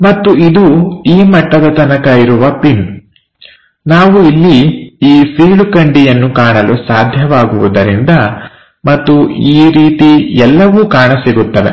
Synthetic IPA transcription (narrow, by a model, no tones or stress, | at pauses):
mɐt̪ːuid̪uiːmɐʈːɐd̪ɐt̪ɐnɐkɐiɾuʋɐpin | naːʋuilːiiːfiːɭukɐɳɖijɐnːukaːɳɐlusaːd̪ʱjɐʋaːɡuʋṵd̪ɐɾind̪ɐ | mɐt̪ːuiːɾiːt̪iɛlːɐʋuːkaːɳɐsiɡut̪ːɐʋḛ